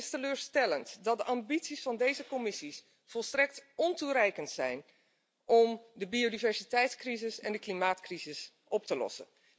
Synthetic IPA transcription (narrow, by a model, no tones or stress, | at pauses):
ɪstəløːɹstɛləntdɑt̚dəʔɑmbitsisfɑndejzəkɔmɪsis | fɔlˠstrɛk̚tɔntuɾɛjkəntsɛ̰jn | ʔɔmdəbiodivɛɹsitɛjtskrizɪsɛndəklimaːtkrizɪs | ʔɔp̚təlɔ̰sə̰n